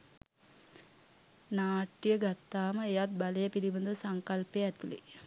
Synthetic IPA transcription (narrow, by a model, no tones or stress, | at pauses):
naːʈːijəɡat̪ːaːməejat̪̚balejəpilibənd̪usaŋkalpeæt̪ulḭ